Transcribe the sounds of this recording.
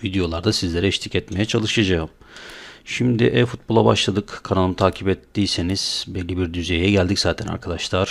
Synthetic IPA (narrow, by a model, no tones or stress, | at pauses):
vid̪ejo̞lˠaɾd̪asizlʲe̞ɾɛɛʃt̪ʰicɛt̪me̞jɛt͡ʃʰalˠɯʃad͡ʒaɯm | ʃimd̪ḭʔɛfut̪̚bo̞lˠaba̰ʃlˠad̪ɯkkʰanalˠɯnɯt̪ʰaːcʰipɛt̪ːiːseniz̥bɛlʲːibiɾd̪yze̞jɛɟælʲd̪iczaːt̪ʰæna̰ɾkʰad̪aʃlˠaɾ̥